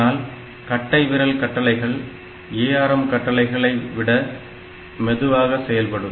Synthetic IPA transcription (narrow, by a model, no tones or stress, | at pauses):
aːl | kɐʈːɐɪʋɪɾɐlkɐʈːɐlɐɪɣɐɭ | eːjaːɾɐmkɐʈːɐlɐɪɣɐɭɐɪʋɪɽɐ | mɛðɯʋaːɣɐsɛjɐlpɐɽɯ